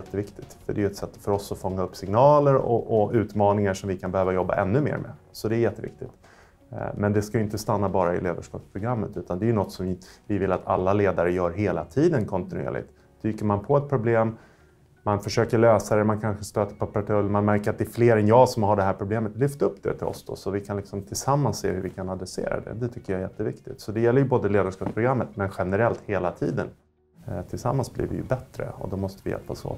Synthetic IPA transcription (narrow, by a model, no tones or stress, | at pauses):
jɛt̪ːəvɪkt̪ɪt̪fœɖɛjɛt̪sɛt̪ːfœɾɔsɔfɔŋːaɵpːsɪŋnɑːləɾɔ̰ʔɔʉ̟ːt̪mɑːnɪŋaʂɔmvɪkʰanbɛhøːvajɔbːa̰ʔɛnːɵmḛːɾmɛ̰ | sɔd̪ɛæjɛt̪ːəvɪ̰k̚t̪ɪ̰t̪ | mɛnd̪ɛskajʏɪnt̪əst̪anːabɑːɾaɪ̰leːd̪aʂkɑ̰ːpspʰɾʊɡɾamːət̪ʉ̟ːt̪and̪ɛːjʏnɔt̪ːsɔmvɪvɪlːat̪ʰa̰lːaleːd̪aɾəjœːɾɦeːla̰t̪ʰiːd̪ənkʰɔnt̪ɪnɵḛːɭɪ̰t̪ | d̪̥yʏkːəmanpʰɔɛt̪̚pʰɾʊbleːmː | anfœʂøːkəɭøːsaɾɛmankʰanɧəst̪øːt̪apɔpʰaʈʰœlːmanmæɾkəɾat̪̚d̪ɛæːɾfleːɾɛnjɑːsɔmhaɖɛhæːɾpʰɾʊbleːmət̪lʏft̪aɵpːd̪ɛ̰t̪ʰɪlɔ̰sd̪ɔ̰sɔvɪkʰanlɪksɔmt̪ʰɪlsamːanssḛːhɵɾvɪkʰanad̪ɾɛsḛːɾa̰d̪ɛ̰d̪ɛt̪ʰʏkːəjaɛɾjɛt̪ːəvɪkt̪ɪt̪sɔd̪ɛjɛlːəɾjɵboːd̪əleːd̪aʂkɑːpspɾʊɡɾamːət̪mɛnɧɛnəɾɛlt̪heːlat̪ʰiːd̪ə̰n | t̪ʰɪlsa̰mːansblḭːvɪ̰jɵ̰bɛt̪ɾə̰ɔ̰d̪ɔmɔst̪əvɪ̰jɛ̰lpʰɔsɔ̰